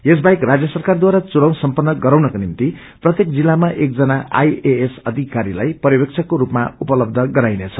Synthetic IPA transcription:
es̬bajkrad͡zjʌsʌrkard̪waɾat͡suɽʌw̃nsʌmpʌnːʌɡʌɾawnʌkonimt̪i | prʌt̪jekd͡zilːamaʔek̚d͡zʌnaa̰jeesʌd̪ʱikaɾilajpʌɾjʌbek̚t͡sʰʌkoɾupma̰upʌlʌbd̪ʱʌɡʌɾajnet͡sʰʌ̥

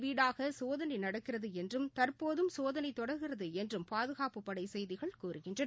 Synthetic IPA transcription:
ʋiːɽaːɣɐsoːðɐnɐɪnɐɽɐkːɪrɐðɯɛndrɯmt̪ɐrpoːðɯmsoːðɐnɐɪt̪ːɔɽɐɾɣɪrɐðɯɛndrɯmpaːðɯɣaːpɯpːɐɽɐɪsɛjðɪɣɐɭkuːɾɯɣɪndrɐn

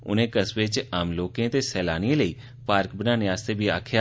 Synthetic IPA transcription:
ʊ̰nẽːkəsʋɪt͡ʃaːmloːkẽːt̪eːsɛːlaːniẽːləiː | paːɾkbənaːnɪaːst̪eːbiːaːkʰja

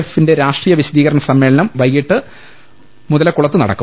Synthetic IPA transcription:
efːinde̞ɾaːʂʈriːjɐʋiɕɐd̪iːɣɐɾɐɳɐsɐmːeːɭɐnɐmʋɐjːiʈːɨ | muðɐlekːuɭɐt̪ːɨnɐɽɐ̰kːu

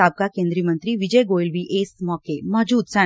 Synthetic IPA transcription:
aːb̚kakẽːnd̪ɾiːəmə̃nt̪ɾiʋɪd͡ʒəjɡoːɪlʋiʔeːsmɔːkemɔd͡ʒuːd̪sɛ̃

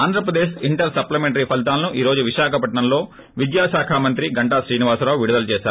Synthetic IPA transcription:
aːnd̪ʱɾɐpɾɐd̪eːʃiɳʈɐɾsɐplɐmeɳʈɐɾipʰɐlt̪̬aːlɐnuʔiːɾo̞ːd͡ʒuʋiʃaːkʰɐpɐʈɳɐmlo̞ː | ʋid̪jaːʃaːkʰaːmɐnt̪ɾiɡɐɳʈaːʃɾiːniʋaːsɾaːwʋiɽud̪ɐlut͡ʃɛːʃaːɾ

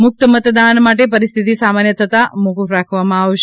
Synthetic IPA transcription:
mʊk̚t̪əmət̪d̪anmaʈepəɾist̪ʰit̪isamanjət̪ʰət̪amukəfɾakʰʋamãaʋʃ

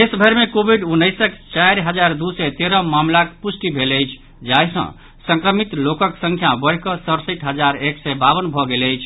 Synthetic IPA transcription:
esbʱeɾmekobʱiɖunːəjsəkt͡ʃajɾɦəd͡ʒaɾd̪usɛt̪eɾəmamlakpusʈibʱeləjt͡ʃʰ | d͡ʒajsʌ̰̃ | sə̃ŋkɾəmit̪lokəksə̃ŋkʰjabəɽkəsəɾsəjʈɦəd͡ʒaɾeksɛbaβənbʱɔɡeləjt͡ʃʰ

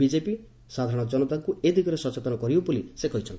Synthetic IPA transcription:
id͡ʒepi | sad̪ʱaɾɔ̃ɽ̃ɔd͡ʒɔnɔt̪akued̪iɡɔɾesɔt͡ʃet̪ɔnɔkɔɾiopulisekɔɦit͡ʃʰʌn

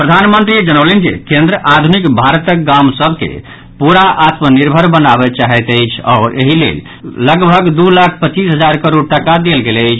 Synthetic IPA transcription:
pɾəd̪ʱanmənt̪ɾid͡ʒənəwlend͡ʒḭkẽnd̪ɾəʔad̪ʱunikbʱaɾət̪ək̚ɡamsəbʱkḛ | puɾaʔat̪məniɾbʱəɾbənabɛt͡ʃaɦɛt̪əjt͡ʃʰɔːɾʔḛɦilḛl | ləɡbʱəɡd̪ulakʰpət͡ʃisɦəd͡ʒaɾkəɾoɽʈəkad̪elɡeləɪt͡ʃʰ

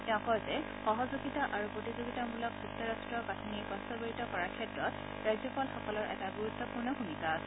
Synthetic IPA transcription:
tɛʊ̃kɔjzɛ | xɔɦɔzuɡitaʔaɹupɹotizoɡitamulɔk̚zuk̚t̪ːɔɹastɹɔkatʰuniɹkɔstɔɡoɹitɔkɔɹaɹkʰɛtɹɔt | ɹajzjɔpɔlxɔkɔlɔɹʔɛ̰taɡuɹut̪ʰːɔpuɹnɔxunikaːsɛ

